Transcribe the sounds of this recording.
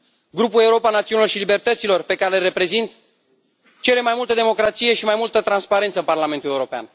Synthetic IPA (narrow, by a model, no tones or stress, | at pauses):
ɡɾupule̞uɾo̞panat̪siunilo̞rʃilibe̞rt̪ət̪silo̞rpe̞kaɾelɾe̞pɾe̞zint̪ | t͡ʃe̞ɾe̞majmult̪əd̪e̞mo̞kɾat̪sije̞ʃimajmult̪ət̪ɾanspaɾe̞nt̪səɨparlament̪ule̞uɾo̞pea̰n